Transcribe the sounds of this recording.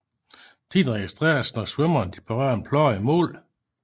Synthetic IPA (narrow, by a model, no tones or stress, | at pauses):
t͡sʰḭːdʁɛɡ̥isd̥ʁɛ̰ːɐsnɒswœmɐnd̥ipʰɒʁɶ̰ɐnpʰlɒːimɔ̰̽ːl